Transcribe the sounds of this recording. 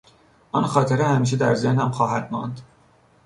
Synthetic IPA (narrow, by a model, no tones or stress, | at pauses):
ʔɒnxɒːt̪ʰeɾehæmiːʃ̬ed̪æ̰ɾzehnhæmxɒːɦæd̪̥mɒ̰nd̪̥